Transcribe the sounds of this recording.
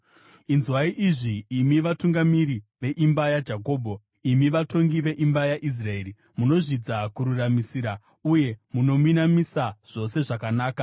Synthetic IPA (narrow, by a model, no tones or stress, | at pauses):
inzwaiʔiʐiːmiʋatuŋɡamiɾiʋe̞ʔimbajad͡ʒako̞ːbʱo̞ | imiʋato̞ŋɡiʋe̞ʔimbajaʔis̬rae̞ɾi | muno̞ʐid͡zakuɾuramisiːɾa | uje̞muno̞muinamisaʐ̥o̞se̞ʐakanaːka